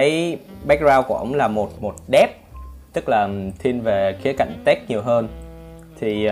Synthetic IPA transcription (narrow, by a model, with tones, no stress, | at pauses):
ə˨˦jɓɛ˦˥k̚zaː˧wkṵ˧˩ʔə̰˧˩wŋ͡mlaː˨˩mo˨˩t̚mo˨˩t̚ɗɛ˦˥p̚t̪ɨ˦˥k̚laː˨˩t̪ʰi˧ənve˨˩xi˨˦əka̰˧˨jŋ̟t̪ɛ˦˥k̚ɲi˨˩əwɦəː˧n | t̪ʰi˨˩